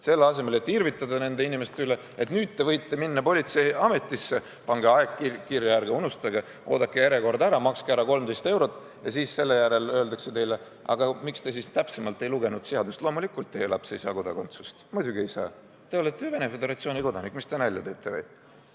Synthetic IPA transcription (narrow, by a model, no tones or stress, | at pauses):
se̞lːeɑse̞me̞le̞t̪ːirvit̪ːˑɑd̪ɑne̞nd̪e̞inʲime̞st̪yle̞ | e̞t̪nyːd̪̥̚t̪ːe̞vɤjt̪ːe̞minːɑpo̞lʲit̪se̞ɑme̞t̪ːˑisːe̞ | pɑŋɡ̥eɑekːikirjɑjærɡeunust̪ɑɡe | o̞ːd̪ɑkːˑejeɾeko̞rd̪æɾɑmɑkskeæɾɑko̞lmd̪e̞jst̪e̞wɾo̞t̪ːˑ | jɑsiːsse̞lːe̞jæɾe̞lø̞ːld̪ɑkse̞t̪e̞jle̞ | ɑ̰ɡ̥ɑmikst̪e̞s̬ist̪æpsemɑlt̪ˑːe̞jluɡ̥e̞nud̪siɑd̪ust̪lo̞ːmulikːˑult̪ːejelɑpse̞jsɑ̰ːko̞d̪ɑko̰nt̪su̥st̪mud̪ʲuɡie̞jsɑ̰ː | t̪e̞o̞let̪ːˑejve̞ne̞fe̞d̪e̞ɾɑt̪sio̞ːnʲiko̞d̪ɑnikːˑmist̪enælʲːɑt̪e̞ːt̪ːˑḛḛj